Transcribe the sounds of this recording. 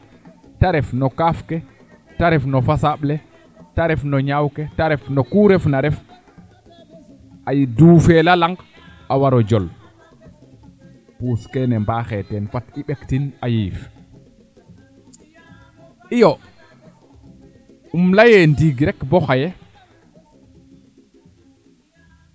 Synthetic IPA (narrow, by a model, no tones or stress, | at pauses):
taɾɛfnɔkafkɛ | taɾɛfnɔfasaɓlɛ | taɾɛfnɔɲawkɛtaɾɛfnɔkuɾɛfnaɾɛf | ʔajduːfɛlalaŋɡ | awaɾɔd͡ʒɔl | puskɛnɛmbaːxɛtɛnfatiɓektinajif | ʔijɔ | ʔumlajɛndiɡɾɛkbɔxajɛ